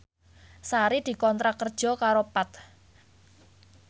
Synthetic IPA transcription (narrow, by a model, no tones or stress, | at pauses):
saɾid̪̥i̤kɔnt̪ɾakərd̥ʒ̥ɔ̤kaɾopat̪̚